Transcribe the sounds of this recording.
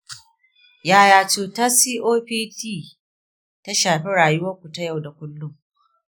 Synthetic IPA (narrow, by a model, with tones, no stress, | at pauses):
jaː˦jaː˨t͡ʃuː˨ta˦siː˦ʔoː˦ɸiː˦tiː˦˨ | ta˦ʃaː˨ɸi˦ɽaː˨jʊ˦wɐ˦kʷu˨ta˦ja˦˨wda˨kʷʊ˦lːʊ˦m